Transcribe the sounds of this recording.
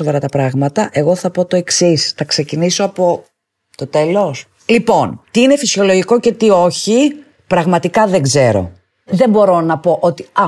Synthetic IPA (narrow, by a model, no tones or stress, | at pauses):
ovɐɾɐt̪ɐpɾɐɣmɐt̪ɐʔe̞ɣo̞θɐpo̞t̪o̞e̞ksisθɐkse̞ciniso̞ɐpo̞ | t̪o̞t̪e̞lo̞s | lipo̞nt̪iinefisio̞loʝiko̞ce̞t̪io̞çi | pɾɐɣmɐt̪ikɐðe̞ŋɡze̞ɾo̞̰ | ðe̞mbo̞ɾo̞nɐpo̞ʔot̪iɐ